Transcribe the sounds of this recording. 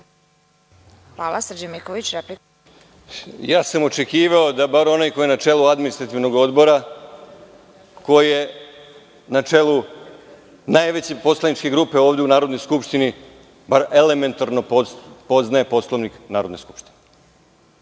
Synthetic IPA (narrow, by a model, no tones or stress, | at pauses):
xʋaːlˠasɾ̩d͡ʑamikoʋit͡ɕɾepli | jaːsamo̞t͡ʃe̞kiːʋao̞d̪abaɾo̞najko̞jenat͡ʃe̞lˠuad̪minist̪ɾat̪iʋno̞ɡo̞d̪bo̞ɾa | ko̞jije | nat͡ʃelu | najʋe̞t͡ɕepo̞slˠanit͡ʃke̞ɡɾuːpe̞oːʋd̪ʲe̞unaːɾod̪no̞jskupʃt̪ini | baɾe̞le̞me̞nt̪aɾno̞ppo̞znae̞po̞slˠoʋniknaːɾo̞d̪ne̞sku̥pʃt̪ine